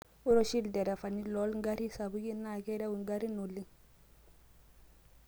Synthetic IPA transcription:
u˦ɾo˦ʃi˦ldɛ˨ɾɛ˨fa˨ni˦lo˦lŋɡa˦ɾi˦sa˨bu˦ɡi˦nːa˨kɛ˦ɾe˦wu˨ŋɡa˦ɾi˦nu˨lːi˦

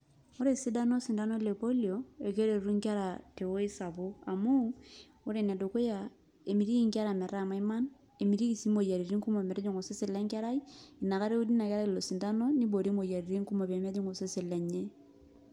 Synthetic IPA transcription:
o˦ɾe˨si˦da˦no˦si˨nda˦no˦le˨po˦ljo˨e˨ke˦ɾe˨ɾu˦ŋka˦ɾa˨te˨wo˦i˦sa˨bo˦a˨mu˦ | o˦ɾe˨ne˨do˨ko˦ja˨ | e˨mi˨ɾi˦i˦ŋka˦ɾa˨mɛ˨ɾa˦˨ma˨i˦ma˦n | e˨mi˨ɾi˦ki˨si˦mo˨ja˨ɾi˨ɾi˦ŋku˦mo˨mɛ˨ɾe˦d͡ʒo˨ŋo˨se˦si˦lɛ˦ŋka˦ɾa˦i˦i˨na˨ka˦ɾe˦u˦di˦na˨kɛ˦ɾa˦i˨lo˨si˨nda˦no˦ni˦bo˨ɾi˦mo˨ja˨ɾi˨ɾi˦ŋku˦mo˨be˨me˦d͡ʒi˦ŋo˨se˦si˨lɛ˨ɲe˦

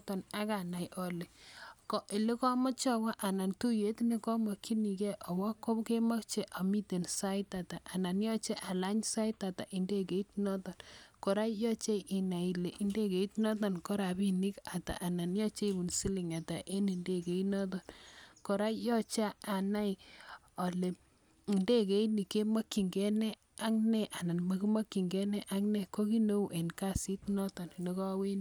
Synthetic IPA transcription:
tɔ˨na˦ka˨na˨jʔɔ˨le˨kɔ˨ʔi˨le˦kɔ˦mɔ˦t͡ʃɔ˦wa˦ʔa˨na˨ntu˦je˦tne˦kɔ˦mɔ˨ki˦ni˨kɛ˦ʔɔ˨wɔ˦kːo˦ke˦ma˦kt͡ʃe˦ʔa˨mi˦te˨nsa˦ɪta˨ta˨ʔa˨na˨njɔ˦t͡ʃe˦ʔa˨la˦ɲsa˦i˦ta˨ta̰˨ʔi˨nde˦k̬e˨i˦tnɔ˦tɔ˨nkɔ˨ɾa˦jɔ˦t͡ʃe˦ʔi˨na˨i˨le˨ʔi˨˦nde˦ke˨i˦tnɔ˦tɔ˨nkɔ˦ɾa˨bi˦ni˦ka˨ta̰˨ʔa˨na˨njɔ˦t͡ʃe˦i˦bu˨nsi˦li˨ŋa˨ta˨ʔe˦ni˨nde˦ke˨i˦nɔ˦t̬ɔ˨nkɔ˨ɾa˦jɔ˦t͡ʃa˦a˨na˦j | ɔ˨le˨ | i˨nde˦ke˦ini˨ke˦ma˦kːi˨ŋɡɛ˦nɛ˦ | a˦ŋnɛ˦ʔa˨na˨nma˦ki˦ma˦ki˨ŋɡɛ˦nɛ˦ʔa˦ŋnɛ˨ko˦ki˦no˦u˦˨ʔe˨nka˦si˦tnɔ˦tɔ˨nne˦kɔ˦we˦n˦

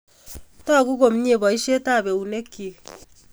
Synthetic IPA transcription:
tɔ˦˨ku˦ko˨m˦ɲe˦˨bɔ˨i˦ʃe˦ta˦˨be˨u˨ne˦kːi˨

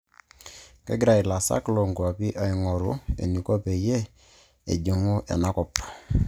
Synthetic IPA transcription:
kɛ̰˦ɡɾa˨ɪ˨la˨sa̰˦klo˨ŋɡwa˨pi˦ʔa˨i˨ŋɔ˨ɾʊ˦ḛ˨ni˨ko˦pe˨je˦ | ḛ˨d͡ʒe˨ŋo˦ʔɛ̰˨na˦kɔ˨p

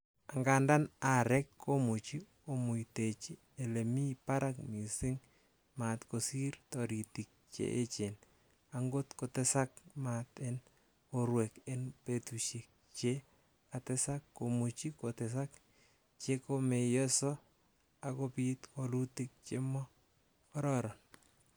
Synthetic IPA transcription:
a˨ŋɡa˨nda˦na˨ɾɛ˦kʰːo˦mu˨t͡ʃi˦ | o˨mu˨ite˨t͡ʃi˦ | e˨le˨mi˦pa˦ɾa˦kmi˨sɪ˦ŋ | ma˨tko˨si˦ɾtɔ˨ɾi˨ti˨k̚t͡ʃḛ˦ʔe˦t͡ʃen | a˨ŋɡo˦tko˨te˦sa˦k̚maten | oɾwe˨kɪ˦npe˨tuʃi˨k̚t͡ʃe˦ | ka˨tɪ˦sa˦kːo˨mu˨t͡ʃi˦ko˨tɛ˨s̬a˦k | t͡ʃe˦ko˦me˨jɔ˦sɔ˦ | a˨ko˦pi˦t̪ko˨lu˦tik̚t͡ʃḛ˦mɔ˦ | kɔ˦ɾɔɾɔ˨n

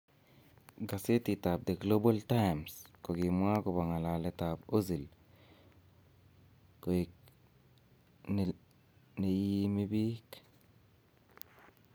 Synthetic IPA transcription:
ɡa˨se˦ti˨ta˨b̚de˨ɡlo˦ba˦lta˦jmsko˨ɡi˨mwa˦ko˨ba˨ŋa˨la˨le˨ta˨bo˦zi˨l | ko˨ | ne˨ji˦mi˦bi˦k

